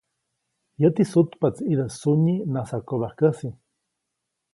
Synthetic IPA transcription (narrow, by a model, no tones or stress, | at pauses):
jət̪isut̪pat͡sid̪əsuɲinasakoβahkəsi